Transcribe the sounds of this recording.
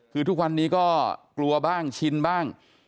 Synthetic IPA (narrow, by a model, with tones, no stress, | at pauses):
kʰɯː˧t̪ʰu˦˥k̚wa˧nːiː˦˥kɔː˥˩klu˧ɐbaː˥˩ŋt͡ɕʰi˧nbaː˥˩ŋ